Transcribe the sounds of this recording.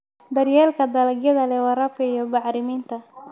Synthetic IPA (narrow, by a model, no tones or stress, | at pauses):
bɐrjɛːlkʰɐd̪ɐlɐɡjɐðɐlɛwɑɾɐb̚kʰɐijɔbɑʕɾɪmiːnt̪ʰɐ